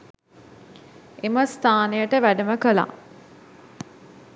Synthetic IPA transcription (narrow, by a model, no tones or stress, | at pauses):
eməst̪ʰaːnejəʈəʋæɖəməkəla̰